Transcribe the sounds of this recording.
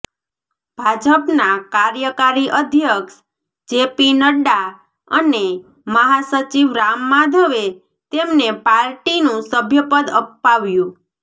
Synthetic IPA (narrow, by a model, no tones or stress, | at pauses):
b̥ʱad͡ʒəpnakaɾjəkaɾiʔəd̪ʱjəkʃ | d͡ʒepinəɖa | əne | məɦasət͡ʃiʋɾamːad̪ʱəʋe | t̪emnepaɾʈinũsəbʱjəpəd̪əpːaʋjũ